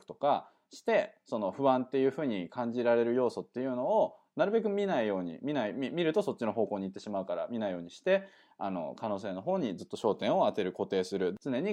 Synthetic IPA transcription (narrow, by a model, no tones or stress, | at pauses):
ɯ̥t̪o̞̥ka | ɕi̥t̪e̞so̞no̞ɸɯ̟βãnt̪ːe̞jɯ̟ːɸɯ̟ːɲ̟ikãɲ̟d͡ʑiɾaɾe̞ɾɯ̟jo̞ːso̞t̪ːe̞jɯ̟ːno̞o | naɾɯ̟be̞k̬ɯ̟mʲinaijo̞ːɲ̟ḭmʲinaiimʲiɾɯ̟t̪o̞so̞t͡ɕːino̞ɦo̞ːko̞ːɲ̟it̪ːe̞ɕimaɯ̟kaɾa̰mʲinaijo̞ːɲ̟iɕi̥t̪e̞ | a̰no̞̰kano̞ːs̬e̞ːno̞ɦo̞ːɲ̟id͡zɨt̪ːo̞ɕo̞ːt̪ẽ̞ɰ̃o̞at̪e̞ɾɯ̟ko̞t̪e̞ːsɨɾɯ̟t͡sɨne̞ɲ̟i